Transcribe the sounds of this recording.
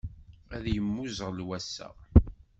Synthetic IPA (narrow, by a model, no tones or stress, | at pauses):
æðjəmːuzʁəlwæsːæ̰